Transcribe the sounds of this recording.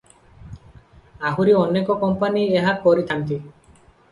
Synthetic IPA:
aɦuɾiɔnekɔkɔmpanieɦakɔɾit̪ʰant̪i

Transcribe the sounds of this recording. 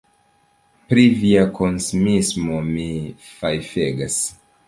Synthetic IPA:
pɾiviakʰo̞nsumismo̞mi | fajfeɡas

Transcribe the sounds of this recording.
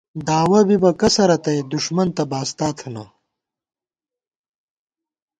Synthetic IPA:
d̪aːwɐbibɐkɐsɐɾɐt̪ɐjed̪uʂmɐnt̪ɐbaːst̪aːt̪ʰna̰

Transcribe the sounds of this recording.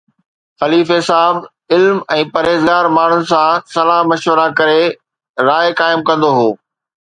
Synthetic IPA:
xɐliːfɪsaːb | ɪlmɛ̃ːpɐɾeːzɡaːɾmaːɳ̤ʊnɪ̆sãsɐlaːɦmɐʃwəɾakɐɾe | ɾaːɪkaːɪmkɐ̃nd̪oɦoː

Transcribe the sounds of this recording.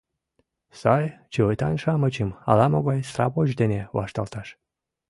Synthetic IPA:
sɑjt͡ɕiojt̪ɑnʲʃɑmət͡ɕəmɑ̰lɑmoɣɑjsrɑ̰βoʒd̪eneβɑ̰ʃt̪ɑlt̪ɑʃ

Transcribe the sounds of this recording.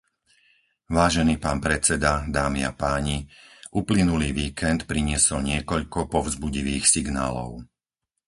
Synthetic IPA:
ʋaːʒɛniːpaːnpɾɛt͡sɛd̪ad̪aːmia̰paːɲiʔuplinuliːʋiːkʰɛnt̪pɾiɲɪɛsɔlɲɪɛkɔʎkɔpɔvzbuɟiʋiːxsiɡna̰ːlɔ̰ʊ

